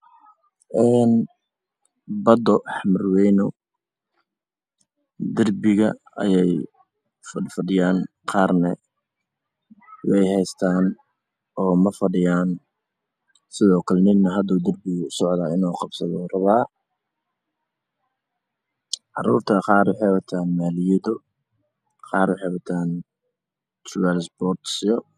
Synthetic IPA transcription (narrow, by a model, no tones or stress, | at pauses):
ʔɛːn | bɐd̪ɔħmɪrwɛjnʊ | d̪ɐrbɪɣɐ̰ | ɐ̰jɛj | ffɐɖɪjaːn | qɑːrnɛ | wɛjhɛjst̪ʰaːn | ɔːmɐfɐɖɪjaːn | sɪðɔːkʰɐlɛnɪnnɐɦɐd̪uːd̪ɐrbɪɣʊsɔʕd̪ɐɪnɔːqɑbsɐðɔːrɐβaː | ʕɑruːrt̪ʰɐqɑːrwɑħɑjwɐt̪ʰaːnmaːlɪjɛðɔ | qɑːrwɑħɑjwɐt̪ʰaːn | t̪rʊwɛlsbɔːt̪sɪɔ